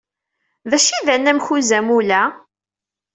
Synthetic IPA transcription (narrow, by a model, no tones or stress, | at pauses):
ðæʃiðænːæmçuzæmulæ